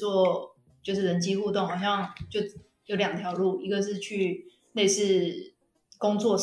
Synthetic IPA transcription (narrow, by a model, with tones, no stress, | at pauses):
wɔ˥˩ | t͡ɕjo˥˧ʂ̬ɻ̩˥˩ɻə˧˥˦nt͡ɕi˥xu˥˧t̪o˥˩ŋhɑ˨˩ʊɕjɑ˥˨˩ŋt͡ɕjo˥˩ʊ | jo˧˥ʊljɑ˨˩ŋt̪ʰjɑ˨˧˥ʊlu˥˩i˧˥ɡə˧ʂ̬ɻ̩˥˧t͡ɕʰy˥˧ | ne˥˧ɪʂɻ̩˥˩ | kʊ˥ŋt͡swɔ˥˨